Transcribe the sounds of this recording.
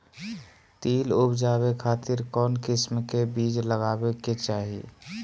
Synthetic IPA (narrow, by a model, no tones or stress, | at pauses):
t̪iːlupd͡ʒaːβekʰaːt̪ɪɾkɔːnkɪsmkebiːd͡ʒləɡaːbeket͡ʃaːɦḭ